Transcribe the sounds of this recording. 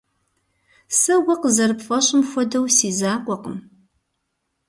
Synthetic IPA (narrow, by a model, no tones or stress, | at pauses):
sɐɡʷɐqəzɐrɨpfɐɕʼɪmxʷɔdɐwsiːzaːkʷʼɔqəm